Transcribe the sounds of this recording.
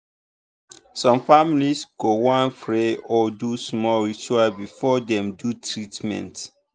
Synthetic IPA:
sɔ̃mfamilisɡ̥owãnfɹeɔdusmɔlit͡ʃuabifɔdɛ̃mdutʰɹitmɛ̰̃nt

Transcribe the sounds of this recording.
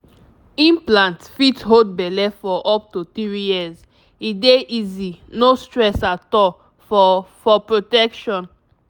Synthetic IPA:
ĩmplãntfitɦod̚bɛlɛfɔʔɔp̚totɹijiz | ideʔizinostɹɛsatɔl | fɔfɔpɹotɛkʃɔ̃n

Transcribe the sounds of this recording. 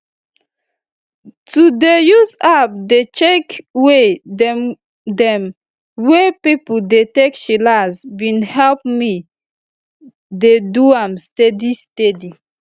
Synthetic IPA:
tudejusap̚det͡ʃekwe | dɛ̃m | wepipuldetekʃilazwĩnhɛlp̚mi | deduãmstɛdistedi

